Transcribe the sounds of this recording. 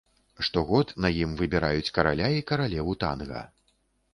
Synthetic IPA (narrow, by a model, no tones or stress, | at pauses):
ʂt̪ɔɣɔt̪nɐjimvɨbʲɛɾajut͡sʲkɐɾalʲaikɐɾalʲɛvut̪a̰nɣɐ̰